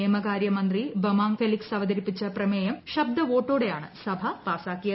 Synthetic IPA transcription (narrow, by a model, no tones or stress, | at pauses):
eːmɐkaːɾjɐmɐnd̪ribɐmaːŋfeliksɐʋɐd̪ɐɾipːit͡ɕːɐprɐmeːjɐmɕɐb̚d̪ɐʋo̞ːʈːoːɽe̞jaːɳɨsɐbʱɐpaːsaːkːijɐ